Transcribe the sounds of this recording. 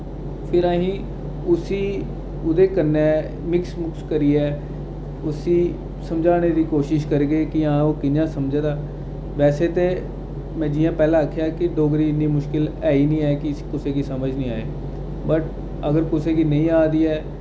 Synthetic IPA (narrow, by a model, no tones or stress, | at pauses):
pʰɪɾãːɦĩː | ʊsiː | ʊd̪eːkənɛː | mɪksmʊkskəɾiːɛː | ʊsiː | səmd͡ʒaːneːd̪iːkoːʃɪʃkəɾɡəeːkɪãːoːkɪnãːsəmd͡ʒeːd̪aː | ʋɛːseːt̪eː | mɛ̃ːd͡ʒiːãːpɛːlãːəkʰjaːkɪɖoːɡɾiːɪnːiːmʊʃkɪlɛːiːnĩːɛːkɪkʊseːkiːsəməd͡ʒnĩːaːeː | bəʈ | əɡəɾkʊseːkiːnə̃ĩːaːd̪iːɛː